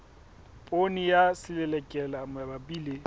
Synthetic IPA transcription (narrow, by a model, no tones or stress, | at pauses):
pʼonijasɪlɛlɛkʼɛlamɛbabiːle